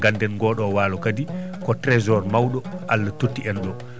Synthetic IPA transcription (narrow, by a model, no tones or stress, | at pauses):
ɡandɛnɡɔːɗɔwaːlɔkadikɔtɾɛzɔɾmawɗɔʔalːatutːiɛnɗɔ